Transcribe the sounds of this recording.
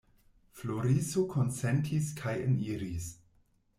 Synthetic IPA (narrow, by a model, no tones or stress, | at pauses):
floɾisokʰonsentʰiskʰajḛniɾis